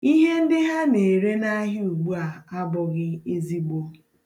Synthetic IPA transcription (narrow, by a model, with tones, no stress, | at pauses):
i˦ɦe˦n̩˦dɪ˦ɦa˦ne˨ɾe˦na˦ɦɪ˦u˨ɡ͡bu˦a˨a˦bʊ˨ɣɪ˦e˦zi˦ɡ͡bo˦